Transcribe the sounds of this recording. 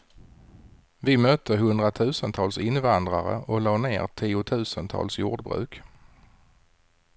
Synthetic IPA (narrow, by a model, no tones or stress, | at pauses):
vɪmœːt̪əɦɵnd̪ɾat̪ʰʉ̟ːsənt̪ʰɑːlsɪnvand̪ɾaɾə̰ʔɔlɑːɳḛːɾʈ̪ʰiːʊt̪ʰʉ̟ːsənt̪ʰɑ̰ːlsjuːɖbɾʉ̟̰ːk